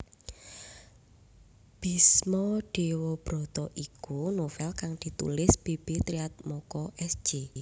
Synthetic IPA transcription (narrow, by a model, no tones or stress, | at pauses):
b̥ismɔɖ̥ewɔb̥ɾɔ̤t̪ɔʔikunofɛlkaŋd̪̥i̤t̪ṵlɪsb̥eb̥et̪ɾiat̪̚mɔkɔʔɛsd͡ʒ̥e